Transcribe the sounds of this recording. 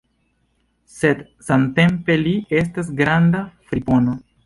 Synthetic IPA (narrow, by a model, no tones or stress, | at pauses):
se̞d | sante̞mpe̞lie̞s̬tas̬ɡɾandafɾipo̞no̞